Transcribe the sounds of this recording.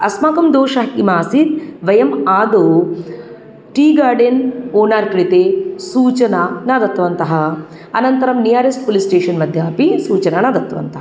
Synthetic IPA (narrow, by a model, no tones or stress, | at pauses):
ɐsmaːkɐmd̪oːʃɐɦimaːsit̪̚ʋɐjɐmaːd̪oː | ʈiːɡaːɾɖenoːnaːɾkɾit̪eːsuːt͡ʃɐnaːnaːd̪ɐt̪ʋɐnt̪ɐɦɐ | ɐnɐnt̪ɐɾɐmnijaːɾesʈpulisʈeːʂɐnmɐd̪ʱjaːpisuːt͡ʃɐnaːnaːd̪ɐt̪ʋɐ̰nt̪ɐɦɐ